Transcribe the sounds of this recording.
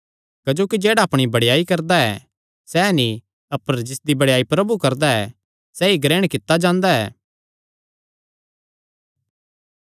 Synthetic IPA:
kɐd͡ʒoːkid͡ʒɛːɽaɐpɽ̃ibɐɽjaːikɐɾd̪aɛ̰ | sɛnĩ | ɐpəɾd͡ʒɪsd̪ibɐɽjaːipɾɐbukɐɾd̪aɛ | sɛːiɡɾɛːɽ̃kɪt̪ːad͡ʒãːnd̪aɛ̰ː

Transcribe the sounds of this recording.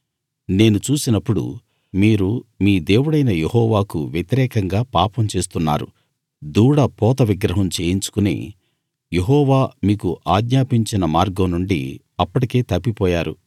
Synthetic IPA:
ne̞ːnut͡ʃuːsinɐpːuɽṵ | miːɾumiːd̪e̞ːwuɽɐjnɐjehɔːʋaːkuʋjet̪iɾɛːkɐŋɡaːpaːpɐmt͡ʃe̞ːst̪unːa̰ːɾṵ | d̪uːɽɐpɔːt̪ɐʋiɡɾɐɦɐmt͡ʃe̞ːjiɲt͡ʃu̥kunḭː | je̞ɦɔːʋaːmiːkuʔaːd̪ɲaːpiɲt͡ʃinɐmaːɾɡɐmnuɳɖḭ | ɐpːɐʈike̞ːt̪ɐpːipɔːjaːɾṵ

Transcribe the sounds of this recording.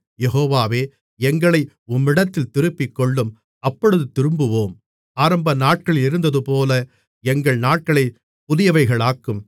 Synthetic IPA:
jɛɦoːʋaːʋeː | ɛŋɡɐɭɐɪ | ʊmːɪɽɐt̪ːɪlt̪ɪɾɯpːɪkːɔɭːɯm | ɐpːɔɽɯðɯt̪ɪɾɯmbɯʋoːm | aːɾɐmbɐnaːʈ̚kɐɭɪɾɯnd̪ɐðɯpoːlɐ | ɛŋɡɐɭnaːʈ̚kɐɭɐɪ | pʊðɪjɐʋɐɪɣɐɭaːkːɯm

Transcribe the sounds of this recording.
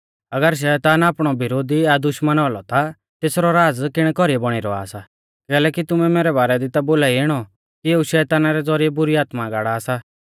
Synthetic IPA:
ɐɡəɾʃ̬ɛːt̪aːnaːpɽ̃ɔbɪɾoːd̪iad̪ʊʃmənɔːlɔt̪a | t̪eːsɾɔɾaːd͡zkɪɽ̃kɔɾiɛbɔɽ̃ɪɾɔ̰a̰ːsa | kɛːlɛːkit̪ʊmɛmeːɾɛbaːɾɛd̪ɪt̪aboːlaːieːɽ̃ɔ | kieːuʃɛːt̪aːnaɾɛd͡zɔɾijɛbʊɾiaːt̪maɡaːɽaːsa

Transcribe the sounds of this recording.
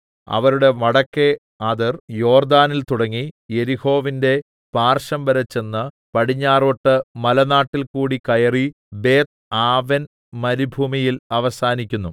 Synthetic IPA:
ɐ̰ʋɐɾuɽe̞mɐɽɐkːe | aːðɐrjo̞ːrd̪aːnilt̪uɽɐŋːije̞ɾiho̞ːʋinde̞ | b̥aːrʂɐmbɐɾɐt͡ɕːe̞nːɨ | pɐɽiɲːaːroʈːɨmɐlɐnaːʈːilkuːɽikɐjɐri | be̞ːt̪̚ | aːʋɐn | mɐɾibʱumijilɐʋɐsaːnikʲːunːu

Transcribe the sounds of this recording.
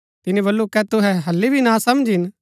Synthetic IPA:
t̪ɪnẽbɐlːukɛt̪ʊɦɛ̃ɦɐlːibʱinãsɐmd͡ʒɪn

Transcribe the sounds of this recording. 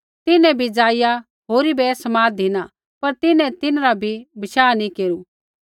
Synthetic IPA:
t̪ɪnɛ̃bʱid͡zaːɪja | ɦoːɾibɛsɐmaːd̪ina | pɐɾt̪ɪnɛ̃t̪ɪnɾabʱibɪʃaːnĩkeːɾu

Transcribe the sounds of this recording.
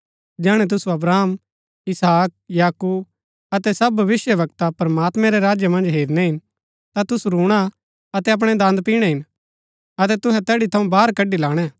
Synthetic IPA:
d͡ʒɛːɽ̃ɛt̪̬ʊsuɐbɾaːm | ɪsaːk̚jaːkuːb | ɐt̪ɛsɐbʱɐʋɪsjəʋɐkt̪apɾmaːt̪mɛ̃ɾeɾaːd͡ʒjamɐ̃nd͡ʒɦeːɾnɛɦɪn | t̪at̪ʊsuɾũːɽ̃a | ɐt̪ɛɐp̬ɽ̃ɛd̪ãːnd̪piːɽ̃ɛɦɪn | ɐt̪ɛt̪ʊɦɛt̪ɛːɽit̪ʰɐ̃ũbaːɾkɐɖːilaːɽ̃ɛː

